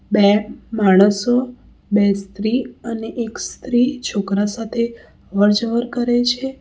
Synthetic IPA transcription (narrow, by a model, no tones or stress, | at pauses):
bemaɽ̃əso | bɛst̪ɾiəneʔekst̪ɾit͡ʃʰokɾasat̪ʰe | ʋəɾd͡ʒəʋəɾkəɾet͡ʃʰe